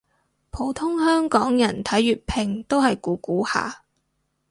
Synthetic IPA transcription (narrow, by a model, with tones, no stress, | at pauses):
pʰo˨˥wt̪ʰʊ˥ŋhœː˥ŋkɔː˨˥ŋjɐ˨˩nt̪ʰɐ˨˥jːyː˨t̚pʰɪ˨˩ŋt̪o˥whɐ˨jkuː˨˥kuː˨˥ha̰ː˨